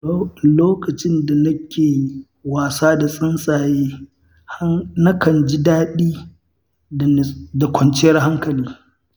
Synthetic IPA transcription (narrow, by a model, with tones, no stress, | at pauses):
loː˦kɐ˨t͡ʃɪ˦nda˨nɐ˦kʲʰeː˨ | waː˨saː˦da˨sʼɪ˦nsʼaː˨jeː˦ | ha˦na˦kɐ˨nd͡ʒɪ˦daː˦ɗiː˦˨ | da˨kʷɔ˨nt͡ʃɪ˦jɐ˦rɦa˦ŋkɐ˨liː˦